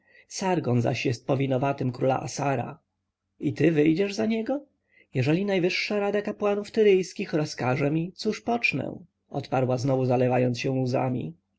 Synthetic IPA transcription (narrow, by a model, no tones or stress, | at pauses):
saɾɡɔnza̰ɕjɛst̪̚pɔvʲinɔvat̪ɘmkɾula̰ʔa̰saɾa̰ | it̪ɘvɘjd͡ʑɛʐzaɲɛɡɔ | jɛʐɛlʲinajvɘʂːaɾad̪akapwanuft̪ɘɾɘjskʲixɾɔskaʐɛmʲit̪suʂpɔt͡ʂnɛ̰̃ | ɔ̰t̪paɾwaznɔvuzalɛvajɔnt̪ɕɛ̃w̃uza̰mʲḭ